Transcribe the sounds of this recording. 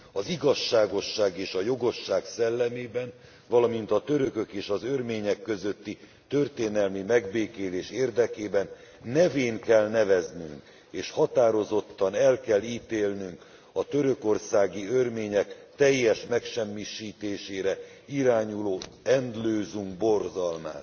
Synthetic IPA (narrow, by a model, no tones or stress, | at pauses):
ɒziɡɒʃːaːɡo̞ʃːaːɡeːʃɒjo̞ɡo̞ʃːaːksɛlːɛmeːbɛn | vɒlɒmint̪ɒt̪ø̞ɾøkø̞keːʃɒzørmeːɲɛkːø̞zø̞t̪ːi | t̪ø̞rt̪eːnɛlmimɛɡbeːkeːleːʃeːrd̪ɛkeːbɛnː | ɛveːŋkɛlnɛvɛzny̰ŋk | eːʃhɒt̪aːɾo̞zo̞t̪ːɒnɛlkɛlːiːt̪eːlnyŋk | ɒt̪øɾø̞ko̞rsaːɡiørmeːɲɛkt̪ɛjːɛʃmɛkʃɛmːiʃiːt̪eːʃeːɾɛ | iɾaːɲuloːɛnd̪løːzuŋɡ̚bo̞rzɒlma̰ːt̪